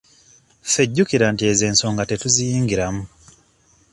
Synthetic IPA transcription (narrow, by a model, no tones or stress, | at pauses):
fe̞ɟːukiɾantie̞ze̞ːnso̞ːŋɡate̞tuzijiːŋɡiɾamu